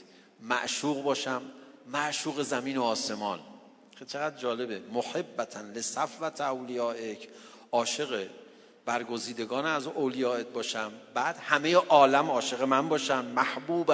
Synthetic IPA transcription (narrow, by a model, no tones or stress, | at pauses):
mæ̰ʔʃuːɣbɒːʃæmːæʔʃuːɣe̞zæmiːnoɒːse̞mɒːn | cʲʰet͡ʃʰe̞ɣæd̪̚d͡ʒɒːle̞bemoħebːæt̪ʰænlesæfvæt̪ʰowlijɒːʔecʰ | ʔɒːʃe̞ɣe | b̥æɾɡoziːd̪e̞ɡɒːnæzowlijɒːe̞t̪̚bɒːʃæmbæːd̪hæme̞jeʔɒːlæmɒːʃe̞ɣe̞mænbɒːʃænmæhbuːb